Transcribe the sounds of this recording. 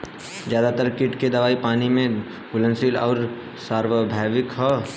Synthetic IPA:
d͡ʒjaːd̪at̪əɾkɪʈked̪ɐʋaːipaːnimẽ | ɡʊlə̃nsiːlɔːɾ | saːɾʋəbʱaːʋɪkɦɔ

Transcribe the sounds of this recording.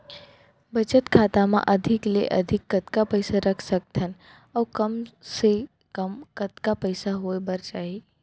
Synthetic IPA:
bɐt͡ʃət̪kʰaːt̪amã̰ʔɐd̪ʱɪklḛʔɐ̰d̪ʱɪkːɐt̪kapɛɪsaɾɐkʰsɐk̚t̪ʰən | ɔːkɐmse | kɐmkɐt̪kapɛɪsaɦoebɐɾt͡ʃaːɦi

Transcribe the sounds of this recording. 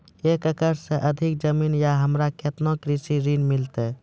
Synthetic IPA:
ekəkəɾsẽʔəd̪ʱik̚d͡ʒəminjaɦəmɾakʰet̪nokɾisiɾinmilt̪e

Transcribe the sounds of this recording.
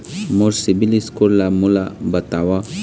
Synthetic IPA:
moɾsibiliskuɾlamulabɐt̪awa

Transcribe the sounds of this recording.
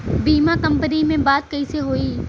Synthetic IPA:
biːmakɐ̃mpənimẽbaːd̪̚kɐiseɦoːiː

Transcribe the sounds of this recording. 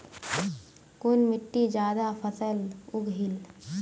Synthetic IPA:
kʊnmɪʈːid͡ʒjaːd̪apʰəsəlʊɡɦil

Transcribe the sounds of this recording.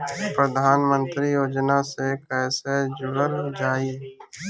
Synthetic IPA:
pɾəd̪ʱaːnmə̃nt̪ɾijoːd͡ʒnasekɛːsed͡ʒʊɽəɾd͡ʒaːiː

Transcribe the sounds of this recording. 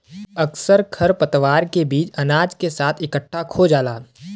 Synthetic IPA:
əksəɾkʰəɾpət̪ʋaːɾkebiːt͡ʃɐnaːd͡ʒkesaːt̪ʰɪkəʈʰːakʰod͡ʒaːlaː

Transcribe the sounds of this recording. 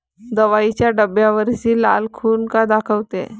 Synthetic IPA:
d̪əʋait͡ɕjaɖəbjaʋəɾd͡ʑiːla̰lkʰuːnkad̪akʰəʋt̪ḛ

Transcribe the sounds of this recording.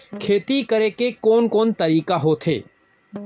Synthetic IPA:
kʰeːt̪ikɐɾekekɔːnkɔːnt̪ɐɾiːkaɦot̪ʰḛː

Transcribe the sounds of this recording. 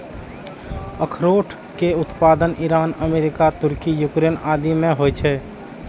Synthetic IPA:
əkʰɾoːʈʰ | keʊt̪paːd̪ənɪɾaːnəmeːɾɪkat̪ʊɾkijʊkɾeːnaːd̪imẽɦoːjt͡ʃʰɛː

